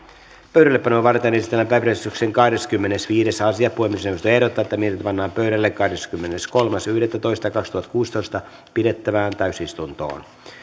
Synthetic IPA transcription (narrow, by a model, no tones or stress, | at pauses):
pøyɥɾælːepːɑnoːʋɑrt̪enesit̪ːelːæmpæːprest̪ykseŋkɑhde̞skymːene̞sʋiːde̞sɑsiɑpuhemːisnewost̪oe̞hɾot̪ːɑːet̪ːæmiet̪it̪æpɑnːɑːmpøɥɾælːekːɑhdeskymːenesko̞lmɑsyhɾet̪ːæt̪o̞jst̪ɑjkɑkst̪uhɑt̪ːkuːst̪o̞jst̪ɑ | pide̞t̪ːæʋæːnt̪æɥsist̪unt̪o̰ːn